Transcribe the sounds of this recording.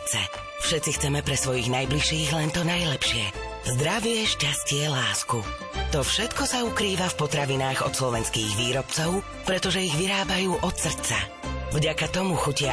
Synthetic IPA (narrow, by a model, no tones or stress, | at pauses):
t͡sɛ̰ | fʃɛt̪t͡sixt͡sɛmɛpɾɛsʋɔjiɣnajbliʃiːɣlɛnt̪ɔnajlɛpʃɪɛ | zd̪ɾaʋɪɛʃcascɪɛlaːsku | t̪ɔfʃɛt̪kɔsaukɾiːʋafpɔt̪ɾaʋinaːɣɔt̪slɔʋɛnskiːɣʋiːɾɔpt͡sɔʊ | pɾɛt̪ɔʒɛiɣʋiɾaːbajuːʔɔt̪sr̩t͡sa̰ | vɟakat̪ɔmuxucɪa